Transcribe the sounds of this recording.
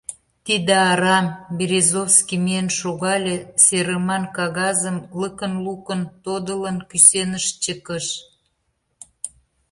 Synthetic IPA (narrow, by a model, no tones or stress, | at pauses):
t̪id̪eɑɾɑmbiɾʲezofskimienʃoɣɑlʲeseɾəmɑnkɑɣɑzəmləkənlukənt̪od̪ələnkysenəʃt͡ɕəkəʃ